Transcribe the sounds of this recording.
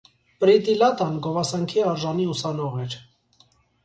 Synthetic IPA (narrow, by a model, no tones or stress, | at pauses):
pɾit̪ilɑt̪ɑnɡɔvɑsɑŋkʰiɑɾʒɑniusɑnɔʁɛɾ